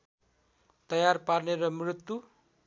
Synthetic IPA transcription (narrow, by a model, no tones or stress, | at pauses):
t̪ʌjarparneɾʌmrut̪ːu